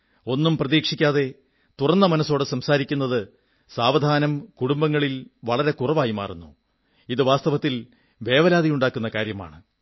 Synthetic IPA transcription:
o̞nːumprɐðiːkʂikʲːaːðe̞ | t̪urɐnːɐmɐnɐsːo̞ːɽesɐmsaːɾikʲːunːɐðɨ | saːʋɐd̪ʱaːnɐmkuɽumbɐŋːɐɭilʋɐɭɐɾe̞kurɐʋaːjima̰ːrunːu | iðɨʋaːst̪ɐʋɐt̪ːil | ʋe̞ːʋɐlaːd̪ijuɳɖaːkːunːɐkaːɾjɐma̰ːɳɨ

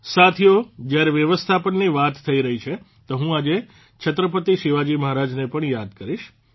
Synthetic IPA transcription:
sat̪ʰijod͡ʒjaɾeʋjəʋəst̪ʰapəɳniʋat̪ʰːəiɾəɦit͡ʃʰe | t̪oɦũad͡ʒe | t͡ʃʰət̪ɾəp̬ət̪iʃiʋad͡ʒiməɦaɾad͡ʒnepəɳjad̪kəɾiʃ

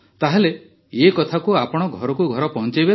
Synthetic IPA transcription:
t̪aɦele | ekɔt̪ʰakuapɔɽ̃ɔɡʱɔɾɔkuɡʱɔɾɔpɔɦɔ̃nt͡ʃajbe

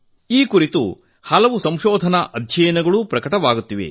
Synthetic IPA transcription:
iːkuɾit̪ṵ | hɐlɐʋusɐmʃɔːd̪ʱɐnɐʔɐd̪ʱjɐjɐnɐɡɐɭupɾɐkɐʈɐʋaːɡut̪ːiʋḛ

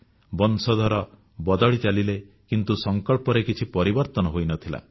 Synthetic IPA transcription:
bɔnsɔd̪ʱɔɾɔ | bɔd̪ɔɭit͡ʃalile | kint̪usɔŋkɔɭpɔɾekit͡ʃʰipɔɾibɔɾt̪ɔnɔɦojnɔt̪ʰila̰

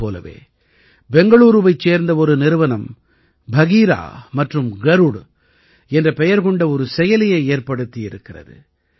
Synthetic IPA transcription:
oːlɐ̰ʋḛː | bɛŋɡɐɭuːɾɯʋɐɪt͡ʃːeːɾnd̪ɐɔɾɯnɪɾɯʋɐnɐm | bʱɐɣiːɾa̰ːmɐʈrɯmɡɐɾuɽ | ɛndrɐpɛjɐɾɣɔɳɖɐɔɾɯsɛjɐlɪjɐɪeːɾpɐɽɯt̪ːɪjɪɾɯkːɪrɐ̰ðɯ̰

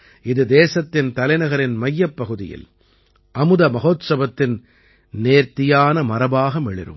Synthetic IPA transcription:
ɪðɯd̪eːsɐt̪ːɪnt̪ɐlɐɪnɐɣɐɾɪnmɐjːɐpːɐɣɯðɪ̰jɪ̰l | ʔɐmɯðɐmɐɣoːt̪sɐbɐt̪ːɪn | neːɾt̪ɪjaːnɐmɐɾɐbaːɣɐmɛɭɪ̰ɾɯ̰m

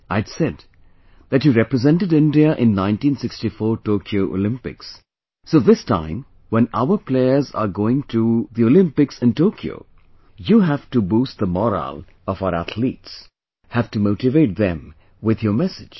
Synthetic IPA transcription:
ʔaɪdsɛd | ðæt͡ʃjuɾɛpɾɨzɛ̃ntɨdɪ̃ndiəʔɪ̃nːãɪ̃ntĩːnsɪkstifɔːɹtoːkʰioʊʔo̰lɪ̃mpɪ̰ksː | oːðɪstã̰ɪ̃m | wɛ̃na̰ʊə˞pʰleɪə˞za̰ɡoːɪ̃ŋtʰuðiolɪ̃mpɪksɨ̃ntoːkʰjo̰ʊ | juɦæftubuːst̪̚ðəmɔɾə̰lˠ | ɔvaʊəɾæt̪ʰlḭːts | hæftumoʊtɪveɪt̚ðɛ̃m | wɪðjəmɛsɪ̥d͡ʒ̥

